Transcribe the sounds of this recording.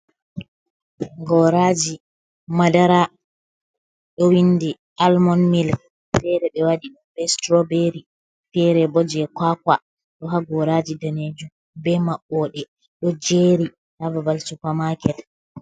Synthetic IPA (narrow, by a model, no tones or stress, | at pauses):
ɡɔɾad͡ʒi | madaɾa | ɗɔwindi | almɔnmil | fɛɾɛɓɛwaɗiɗumbɛstɾɔbeɾi | fɛɾɛbɔd͡ʒɛkwakwa | ɗɔɦaɡɔɾad͡ʒidaned͡ʒum | bɛmaɓːɔɗɛ | ɗɔd͡ʒeːɾi | havabalsukamakɛt